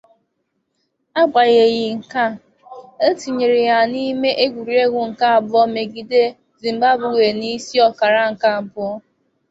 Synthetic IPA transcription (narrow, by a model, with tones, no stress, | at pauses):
a˦ɡ͡ba˨ɣe˨ɣɪ˨ŋ̩˨ka˦˨ | e˦ti˨ɲe˨ɾɪ˨ja˨ni˦me˦ʔe˦ɡʷu˨ɾi˨e˦ɡʷʊ˨ŋ̩˨ka˦a˨bʊ˦ɔ˦me˨ɡi˨de˦ | zi˨m̩˨ba˦bʊ˨we˨ni˦si˦ɔ˨ka˨ɾa˦ŋ̩˨ka˦a˨bʊ˦ɔ˦